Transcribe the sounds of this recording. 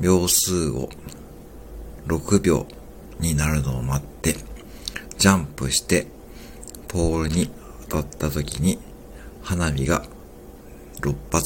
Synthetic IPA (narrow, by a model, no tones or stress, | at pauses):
bʲjo̞ːsɨːo̰ | ɾo̞kɯ̟bʲjo̞̰ː | ɲ̟inaɾɯ̟no̞ːmat̪ːe̞ | d͡ʑãmpɯ̟ɕi̥t̪e̞ | pʰo̞ːɾɯ̟ɲ̟i | at̪at̪ːat̪o̞kʲiɲ̟i | hanamʲiɡa | ɾo̞pːat͡s